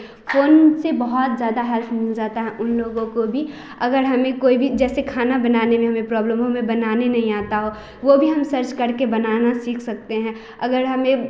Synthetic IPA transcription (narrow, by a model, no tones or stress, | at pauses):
foːnsebɐɦɔt̪zjaːd̪aɦɛlpʰmɪld͡ʒaːt̪aɦɛʔʊnloːɡõkobʱi | ɐɡəɾɦɐmẽkoːibʱid͡ʒɛːsekʰaːnabɐnaːnemẽɦɐmẽpɾɔːbləmɦɐmẽbɐnaːnenɐɦĩaːt̪aɦoː | ʋobʱiɦɐmsɐɾt͡ʃkɐɾkebɐnaːnasiːkʰsɐk̚t̪eɦɛ̃ː | ɐɡəɾɦɐmẽ